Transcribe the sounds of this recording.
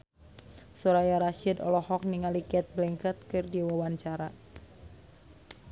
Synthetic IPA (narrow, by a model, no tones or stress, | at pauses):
suɾajaɾaʃidɔ̰lɔhɔk̚niŋalikɛt̪̚blɛŋkat̪̚kɨrdiwawaɲt͡ʃaɾa